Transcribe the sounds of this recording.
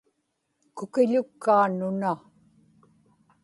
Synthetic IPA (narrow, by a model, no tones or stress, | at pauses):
kʊkɪʎʊkːaːnʊna